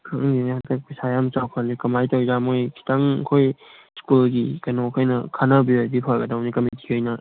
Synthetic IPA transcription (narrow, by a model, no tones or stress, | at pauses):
kʰɯŋninhadɐk̚pisajamt͡ʃawpʰanikɐmajtawzamojkʰi̥taŋkʰojskulɡikɐnɔkʰajnɐkʰanɐbiojbipʰaɾɡɐdawnikɐmitʰi̥ɯjnɐ